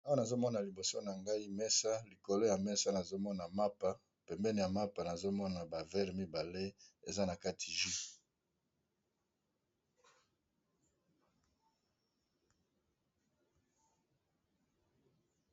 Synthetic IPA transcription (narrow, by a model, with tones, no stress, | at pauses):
o˦na˨zo˦mɔ˦na˨li˨bo˨so˦na˨ŋɡa˦i˦mɛ˦sa˦li˨ko˨lo˦ja˨mɛ˦sa˦na˨zo˦mɔ˦na˨ma˦pa˨ | pɛ˨mbɛ˦ni˨ja˨ma˦pa˨na˨zo˦mɔ˦na˨ba˨vɛ˦ʁmi˦ba˨le˦e˨za˦na˨ka˦tʰi˨ʒi˦